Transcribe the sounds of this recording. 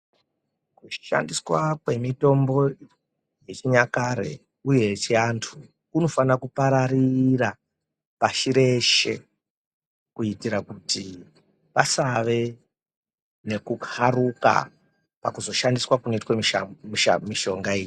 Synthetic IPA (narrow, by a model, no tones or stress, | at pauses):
kuʃa̰ndiswakwe̞mito̞mbo̞ | je̞t͡ʃiɲakaɾḛ | uje̞t͡ʃeantʰu | kuno̞fanakupaɾarira | paʃiɾe̞ʃe̞̰ | kuitiɾakuti | pasaʋe̞ | ne̞kuɡaruka̰ | pakuzo̞ʃandiswakuno̞itwemimimiʃo̞ŋɡaeːji